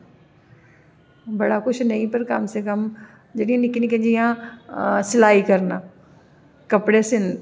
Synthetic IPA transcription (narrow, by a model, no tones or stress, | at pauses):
bɐɽakʊt͡ʃʰnɐĩpɐɾkɐmsekɐm | d͡ʒɐɽĩãnɪknĩkɐ̃ɲd͡ʑijã | sɪlaːikɐɾnaː | kɐpɽesɪn